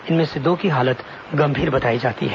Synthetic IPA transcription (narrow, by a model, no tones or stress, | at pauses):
ɪnmẽsed̪okiɦaːlət̪ | ɡɐ̃mbʱiːɾbɐt̪aːid͡ʒaːt̪ḭɦɛː